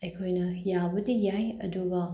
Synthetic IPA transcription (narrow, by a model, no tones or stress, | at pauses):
ɐjkʰojnɐjabɐdijajɐ̰duɡɐ